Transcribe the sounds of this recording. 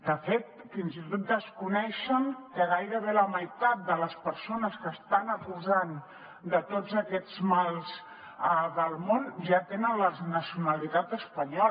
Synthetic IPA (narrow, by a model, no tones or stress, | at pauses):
d̪əfet̪ | finzit̪ot̪̚d̪əskunɛʃənkəɣajɾəβeləməjt̪at̪̚d̪ələspəɾsonəskəst̪anəkuzan | d̪ət̪od͡zəkɛd͡zmalˠz | əðəlˠmonʒat̪enənləznəsiunəlit̪at̪əspəɲɔ